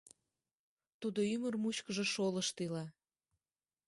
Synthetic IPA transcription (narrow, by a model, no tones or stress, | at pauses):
t̪ud̪oymərmut͡ɕkəʒĕʃoləʃt̪ilɑ